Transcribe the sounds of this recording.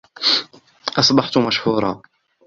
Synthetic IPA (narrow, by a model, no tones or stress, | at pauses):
ʔɑsˤbɑħt̪ʊmaʃhuːɾˤɑ̰ː